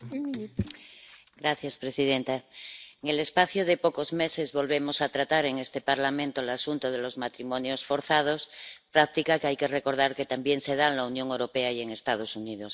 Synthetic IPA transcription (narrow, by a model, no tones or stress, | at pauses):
ɡɾaθjaspɾesiðent̪aeŋele̞spaθjoðepoko̞zme̞sezβo̞lβe̞mosat̪ɾat̪aɾe̞ŋest̪epaɾlamẽnt̪olasunt̪oð̞elo̞zmat̪ɾimõnjosfo̞ɾθað̞ospɾakt̪ikakeajkereko̞ɾð̞aɾket̪ambje̞ŋseð̞anlaunjõŋewɾo̞peaieŋe̞st̪að̞o̞suniðos